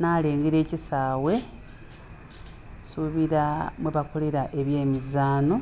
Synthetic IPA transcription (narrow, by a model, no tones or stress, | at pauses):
naːle̞ːŋɡiɾe̞ːcisaːwe̞ | suβiɾamweβakoliɾaʔe̞βje̞ːmizaːno